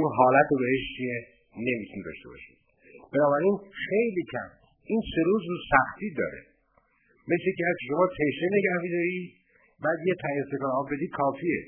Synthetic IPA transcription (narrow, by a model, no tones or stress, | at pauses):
unɦɒːlæt̪ʰobeheʃt͡ʃʰie | ne̞mit̪ʰunid̪ɒ̰ʃt̪e̞bɒ̰ʃi̥̰d̪̥ | b̥e̞nɒːbæɾinxe̞jliːcʰæ̰m | iːnse̞ɾuːzɾusæxt̪iːd̪ɒ̰ːɾḛ | mesjeciːæzkʰeʃo̞mɒːt̪ʰeʃeneɟæhfid̪ɒɾid̪ | bæːd̪jet̪ʰæezt̪ekɑːɾɒːbbe̞d̪iːd̪̚kʰɒːfiḛ